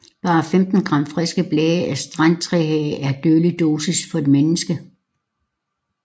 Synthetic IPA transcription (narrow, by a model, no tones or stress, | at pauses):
b̥ɑ̈ːfemd̥n̩ɡ̥ʁɑ̈m̰fʁɛsɡ̥əb̥lɛːɪəʔæsd̥ʁan̰t͡sʰʁɛɦɛ̰ːʔæɐd̥øːlid̥o̝ːsisfɒ̽e̝d̥menəsɡ̥ə